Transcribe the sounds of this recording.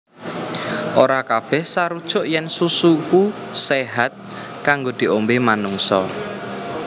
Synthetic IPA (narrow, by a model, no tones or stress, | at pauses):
ʔoɾakab̥ɛhsaɾud̥ʒ̥ʊ̤ʔjɛnsusukuseɦat̪̚kaŋɡod̪̥i̤ʔombemanuŋsɔ